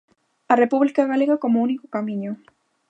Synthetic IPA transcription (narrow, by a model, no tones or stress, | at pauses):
arepuβlikaeɣaleɣakomounikokamĩɲo